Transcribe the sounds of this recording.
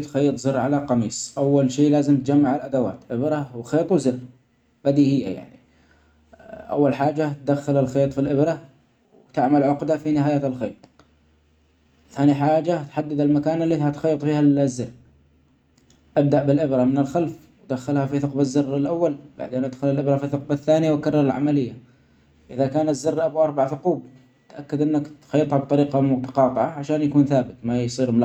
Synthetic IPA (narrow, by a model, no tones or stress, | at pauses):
t̪xiːt̪ˤzɨɾːʕalaqɑmiːsˤʔawːalʃiːlaːzɪmt̪d͡ʒamːaʕalʔad̪awa̰ːt̪ʔɪbɾɑwxeːt̪ˤwzɪrː | bad̪ihɪjːa̰ja̰ʕni | ʔa̰wːalħaːd͡ʒat̪̚d̪axːalɪlxeːt̪ˤfilʔɪbɾɑ | wt̪ɪʕmalʕʊqd̪afinɪɦaːjaːt̪ɪlxeːt̪ˤ | θaːniħaːd͡ʒat̪ħad̪ːɪd̪almakaːnɪlːiːhat̪xɑjːt̪ˤfiːhazːɪr | ʔab̚d̪aʔbɪlʔɪbɾamɪnɪlxalf | wd̪axalhafiθʊqbazːɪrːɪlʔawːalb̥a̰ʕd̪eːnʔad̪xʊlalʔɪbɾafiθʊq̚baθːaːnɪjawkɑrˤːɑɾˤɪlʕa̰malɪjːa | ʔɪðakaːnazːɪrːʔabuʔɑɾˤbaʕθʊquːb | t̪ʔakːad̪ʔɪnːakt̪xɑjːɑt̪ˤhɑb̚t̪ˤɑɾiːqɑmʊt̪ɑ̥qɑːt̪ˤɨʕɑʕaʃaːnjakuːnθaːbɪt̪majsˤiːɾml